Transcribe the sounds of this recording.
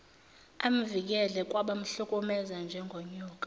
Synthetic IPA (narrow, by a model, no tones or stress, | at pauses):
am̩vik̬ɛlɛk̬ʼwaɓam̩ɬukʼɔmɛzand͡ʒʱɛŋɡʱɔɲɔːkʼḁ